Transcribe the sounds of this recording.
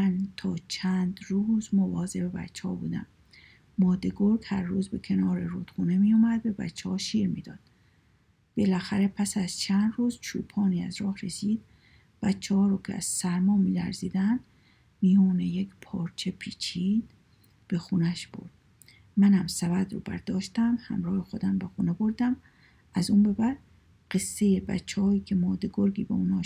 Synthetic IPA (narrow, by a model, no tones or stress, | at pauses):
mænt̪ʰɒːt͡ʃʰæːnd̪ɾuːzmovɒːzebe̞bæ̰t͡ʃʰːehɒ̰ːbṵːd̪æ̰mː | ɒːd̪e̞ɡoɾkhæɾːuːzbe̞kʰe̞nɒːɾeɾuːd̪̥xuːne̞mijuːmæd̪bebæ̰t͡ʃʰːehɒːʃiːɾmḭːd̪ɒ̰ːd̪̥ | b̥e̞læxæɾe̞pʰæsæz̥t͡ʃʰænd̪ruːzt͡ʃʰṵːpʰɒːniːæzɾɒːhɾe̞siːd̪̥̚ | b̥ætt͡ʃʰːehɒːɾɔːkʲʰeæ̰z̥sæɾmɒːmiːlæ̰ɾziːd̪ænd̪ | mijɔːnejekʰpʰɒːɾt͡ʃʰe̞pʰiːt͡ʃʰiːn | b̥e̞xuːnæʃb̥o̞̰ɾd̪̥ | mænæmsævæd̪ɾṵːbæ̰ɾd̪ɒːʃt̪æmhæ̰mɾɒːhexo̞d̪æmbexuːnebo̞ɾd̪æm | æzuːnbe̞bæɾd̪ | ɢe̞sːe̞jebæ̰t͡ʃʰːehɒːiːcʲʰe̞mɒːd̪e̞ɡoɾɡiːbeuːnɒː